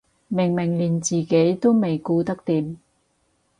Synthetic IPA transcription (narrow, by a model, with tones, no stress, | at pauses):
mɪ˨˩ŋmɪ˨˩ŋliː˨˩nt͡siː˨ke˨˥jt̪o˥wme˨jkuː˧t̪ɐ˥k̚t̪iː˨˥m